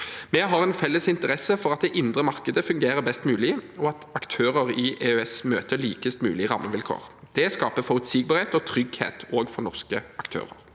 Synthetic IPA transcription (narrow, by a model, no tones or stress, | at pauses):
mɛɦɑɾɛnfɛlːəsɪnt̪əʁɛsəfɔʁɑt̪̚d̪ɛʔɪnd̪ʁəmɑʁkəd̪əfʉŋɡeːɾəbɛst̪mʉːlɪɔɑt̪ɑkt̪ʰøːʁəʁɪʔeːøɛsmøːt̪əliːkəst̪mʉ̰ːlɪʁɑ̰mːəʋɪlkʰo̰ːʁ | d̪̥ɛskɑːpəfɔʁʉt̪siːɡ̚bɑʁheːt̪ɔt̪ʰʁʏɡhḛːt̪oːɡfɔʁnɔʁskəɑkt̪ʰø̰ːʁə̰ʁ